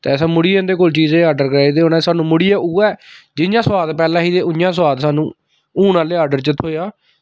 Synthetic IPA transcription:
t̪ːsãːmʊɽiːẽːnd̪eːkoːlt͡ʃiːzẽaːɾɖəɾkəɾaid̪eːonãsaːnũːmʊɽiːaːuːɛːd͡ʒɪnjãːswaːd̪pɛːlãːɦiːd̪eːʔʊjãːswaːd̪saːnũː | uːnãːleːaːɾɖəɾt͡ʃət̪ʰːoːjaː

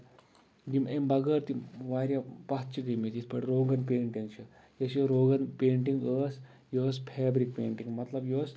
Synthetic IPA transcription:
ɡimembɐɡəːɾt̪iʋaːɾjapɐɦt̪̚t͡ʃʰikimit̪isʰpɐʈɾoːɡɐnpeːɳʈɐnt͡ʃʰɐ | jɐsjoɾoːɡɐnpeːɳʈiŋɡəːs | joːspʰeːbɾik̚peːɳʈiŋɡmɐt̪lɐbjoːs

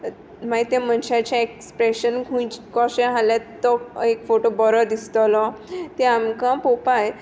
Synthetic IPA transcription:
maɦit̪ẽmənɕat͡ɕaekspɾeɕənɡʱũjt͡ɕkɔɕɛ̃ɦalãt̪ːɔekfoʈobɔɾɔd̪ist̪ɔlɔt̪ɛ̃amkãpopaj

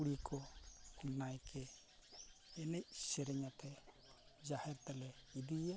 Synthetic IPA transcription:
uɽikʰɔ | najkʰɛ | nɛcsɛɾɛɲat̪ʰɛ | d͡ʒahɛɾt̪alɛid̪ija

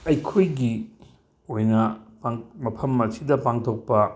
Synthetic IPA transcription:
ɐjkʰojɡi | ojnɐpaŋmɐpʰɐmːɐɾsidɐpaŋtʰok̚pɐ

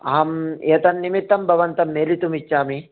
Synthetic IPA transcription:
ɐɦɐmet̪ɐnːimit̪ːɐmbʱɐʋɐnt̪ɐmːeːlit̪umit͡ʃːaːmi

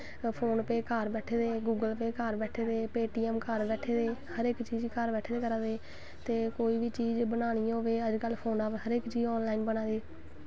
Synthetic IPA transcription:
pʰoːnpeːkəɾbɛːʈʰeːd̪eːɡuːɡəlpeːkaːɾbɛːʈʰeːd̪eːpeːʈiːɛːmkəɾbɛːʈʰeːd̪eːhəɾekt͡ʃiːd͡ʒkəɾbɛːʈʰeːd̪eːkəɾaːd̪eː | t̪eːkoːiːʋiːt͡ʃiːd͡ʒbənaːɽ̃iːãɦoːʋeːəd͡ʒkəlːpʰoːnaːpɦəɾekt͡ʃiːd͡ʒɔːnlaːinbənaːd̪iː

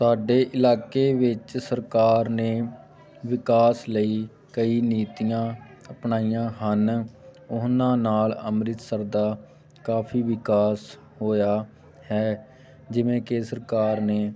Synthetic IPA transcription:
saːɖeːʔɪlaːkeːʋɪt͡ʃsəɾkaːɾneː | ʋɪkaːsləiː | kəiːniːt̪ijãː | əpɳaːijãːɦənʊnãːnaːləmɾɪt̪səɾd̪aː | kaːpʰiːʋɪkaːs | ɦoːjaː | hɛː | d͡ʒɪʋẽːkesəɾkaːɾneː

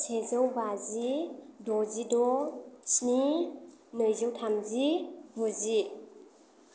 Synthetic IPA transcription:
sʰezəwbazidɔzidɔt͡ʃni | nɯjzɯwtʰamzivuzi

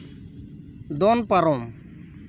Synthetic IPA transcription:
d̪onpɐɾom

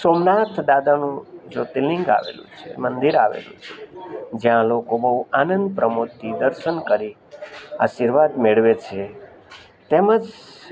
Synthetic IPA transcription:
somnat̪ʰd̪ad̪anũd͡ʒot̪ilɪ̃ŋɡa̰ʋḛlṵ̃t͡ʃʰḛmənd̪iɾaʋḛlṵ̃t͡ʃʰed͡ʒjãlokobəɦuanənd̪̚pɾʔəmut̪ːid̪əɾʃənkəɾi | a̰ʃiɾʋad̪meɭʋet͡ʃʰe | t̪eməd͡ʒ

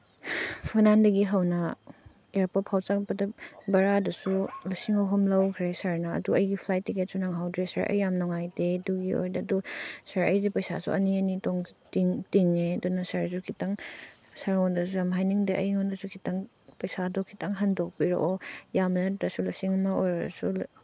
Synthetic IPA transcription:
pʰunandɐɡiɦɐwnɐ | eɾpopʰawt͡ʃak̚pɐdɐbɐɾadɐsulɐsiŋɐwɦɐmlɐwkʰɾesaɾnɐ̰ːduɐjɡipʰlajtːiket̚sunaŋɦawdɾesa̰ɾʔɐ̰jːamnɔŋajdeduɡio̰jdɐːdusaɾɐ̰jdipɐjsa̰sṵʔɐ̰niɐnitɔŋtiŋtiŋːedɔnɐsaɾzukʰitaŋ | saɾŋɔndɐsuɾamɦajniŋdeʔɐjŋɔndɐsukʰitaŋ | pɐjsadɔkʰitaŋɦɐndok̚piɾo̰ʔojamnɐdɐsulɐsiŋɐmɐojɾɐ̰su

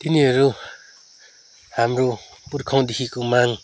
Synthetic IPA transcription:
t̪iniaɾu | hamɾupuɾkʰaŋd̪ikʰikomaŋ

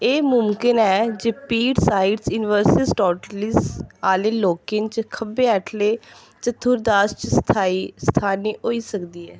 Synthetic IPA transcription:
eːmʊmkɪnɛːd͡ʒeːpiːɖsaːɪɖsjuːnɪʋəɾsɪsʈɔːʈəlisaːleːloːkɪnt͡ʃkʰəbeːɛʈʰleː | t͡ʃət̪ʰːʊɾd̪aːst͡ʃst̪ʰaːiːst̪ʰaːniːoːiːsəkd̪iːɛː

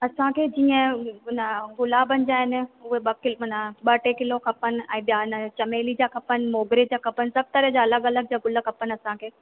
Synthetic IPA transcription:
ɐsãkʰeːd͡ʑiːə̃ʊnəɡʊlaːbənɪ̆d͡ʑaːɦɪnɪ̆ʊɦeɓɐkɪlɦʊnəɓɐʈekɪlokʰɐpənɪ̆ɛ̰̃ːɓijaɪnət͡ɕɐmeːlid͡ʑaːkʰɐpənɪ̆moːɡɾid͡ʑaːkʰɐpənɪsɐb̚t̪ɐɾəɦd͡ʑaɐləɡɐləɡ̚d͡ʑaːɡʊləkʰɐpənɐsãkʰeː

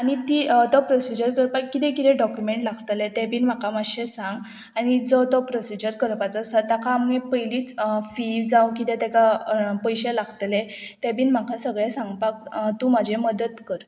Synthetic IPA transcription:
aɽ̃it̪iːt̪ɔpɾɔsid͡ʑəɾkəɾpakːit̪ɛ̃kit̪ɛ̃ɖɔkjumeɳʈlaɡʱt̪lɛt̪ɛ̃piːnm̤akamaɕẽsãŋɡ | añid͡zɔt̪ɔpɾɔsid͡ʑəɾkəɾpat͡sasat̪akãmepəjliːt͡sfiʋd͡zãwkit̪ɛ̃t̪ɛkapəjɕɛlaɡʱt̪lɛt̪ɛ̃piːnm̤akʰasəɡɭɛsãŋɡpak̚t̪ũmad͡ʑʱeməd̪ət̪kəɾ

